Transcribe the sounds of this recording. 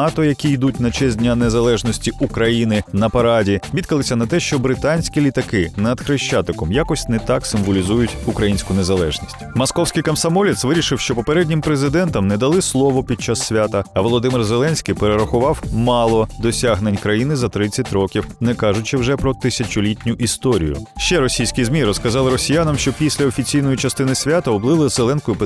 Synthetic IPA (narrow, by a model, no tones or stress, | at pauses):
ɑt̪ɔjɐkʲijd̪utʲnɐt͡ʃɛzʲdʲnʲanezɐlˠɛʒnɔsʲtʲiukɾɐjinɪnɐpɐɾɑdʲiʋʲid̪̚kɐlˠɪsʲɐnɐt̪ɛʃt͡ʃɔbɾɪt̪anʲsʲkʲilʲit̪ɐkɪnɐd̪xɾɪʃt͡ʃat̪ɪkɔmjakɔsʲtʲnɛt̪ɑksɪmʋɔlʲizujʊtʲukɾɐjinʲsʲkʊnezɐlˠɛʒnʲisʲtʲmɔskɔwsʲkɪjkɐmsɐmɔlʲɪt̪sʋɪɾʲiʃɪwʃt͡ʃɔpɔpeɾɛdʲnʲimpɾezɪd̪ɛnt̪ɐmnɛd̪ɐlˠɪslˠɔʋɔpʲid̪̚t͡ʃasːʲʋʲat̪ɐɐʋɔlˠɔd̪ɪmɪrzelˠɛnʲsʲkʲijpeɾeɾɐxʊʋɑwmɑlˠɔd̪ɔsʲaɦnenʲkɾɐjinɪzɐt̪ɾɪt͡sʲːɐtʲɾɔkʲiwnɛkɑʒʊt͡ʃɪwʒɛpɾɔt̪ɪsʲɐt͡ʃʊlʲitʲnʲʊʔist̪ɔɾʲḭjʊ̰ʃt͡ʃɛɾɔsʲijsʲkʲijzmʲiɾɔskɐzɑlˠɪɾɔsʲijanɐmʃt͡ʃɔpʲisʲlʲɐɔfʲit͡sʲijnɔjʊt͡ʃɐst̪ɪnɪsʲʋʲat̪ɐɔblˠɪlˠɪzelˠɛnsʲkɔjʊpɪ